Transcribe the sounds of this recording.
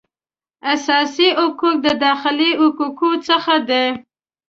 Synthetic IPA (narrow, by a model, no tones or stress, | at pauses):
asɑsiʔʊkuk̚d̪əd̪ɑxɪliʊkukut͡səxad̪e